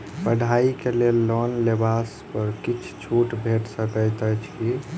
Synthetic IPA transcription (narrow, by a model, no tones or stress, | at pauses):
pəɽ̤ʱaikelelːɔnlebaspəɾkit͡ʃʰt͡ʃʰuʈbʱeʈsəkəjt̪ət͡ʃʰi